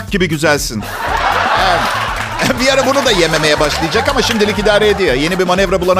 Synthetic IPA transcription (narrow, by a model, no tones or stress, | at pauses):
ɟibiɟyzælʲsin | ɛ | bijaɾabunud̪aje̞me̞me̞jɛbaʃlˠɯjad͡ʒakamaʃimd̪ilʲik̬id̪aːɾeed̪ijojenibimanɛvɾabulˠana